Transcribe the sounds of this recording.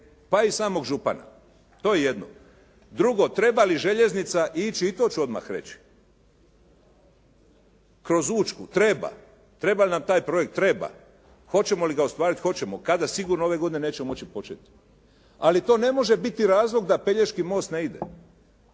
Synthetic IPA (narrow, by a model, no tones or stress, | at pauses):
paisaːmo̞ɡʒupa̰na̰ | t̪o̞ːjejed̪no̰ | d̪ɾuɡo̞t̪ɾe̞baliʒe̞ʎe̞znit̪saʔit͡ʃiit̪o̞t͡ɕuo̞d̪ma̰xɾe̞̰t͡ɕi̥ | kɾo̞zuːt͡ʃkut̪ɾe̞ba̰ | t̪ɾe̞balinamt̪aːjpɾo̞je̞k̚t̪ːɾe̞ba̰ | xo̞t͡ɕe̞mo̞liɡaost̪ʋaːɾit̪xo̞t͡ɕe̞mokad̪asiɡuːɾnoo̞ʋeɡo̞d̪inene̞ːt͡ɕemot͡ɕipo̞t͡ʃḛt̪i̥ | alit̪o̞ːne̞mo̞ʒe̞bit̪iɾaːzlˠo̞ɡd̪ape̞ʎeʃkimo̞ːst̪neid̪ḛ